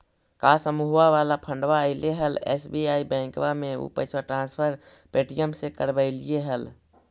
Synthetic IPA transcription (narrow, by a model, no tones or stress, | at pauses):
kasəmuɦaʋalapʰəɳɖʋaəɪleɦəlḛsbiaibɛ̃ŋkbameṵpəɪsaʈɾãːnspʰəɾpeʈijəmsekəɾbəɪlijeɦəl